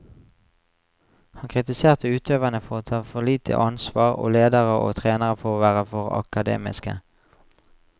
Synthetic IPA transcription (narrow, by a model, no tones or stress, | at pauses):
hɑnkʰʁɪt̪ɪseːʁt̪əʉːt̪ʰøːʋənəfɔʁoːt̪ʰɑːfɔʁliːt̪ʰə̰ʔɑnsʋɑːʁo̰ːleːd̪əʁəʔo̰ːt̪ʰʁeːnəʁəfɔʁoːʋæːʁəfɔʁɑ̰kɑd̪ḛːmɪ̰skə̰